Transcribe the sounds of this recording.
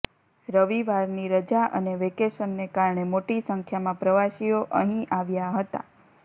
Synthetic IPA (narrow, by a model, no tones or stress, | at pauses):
ɾəʋiʋaɾniɾəd͡ʒaʔə̰neʋekesənːekaɾɳemoʈisəŋkʰjamãpɾəʋaʃijoʔəɦĩʔaʋjaɦət̪a̰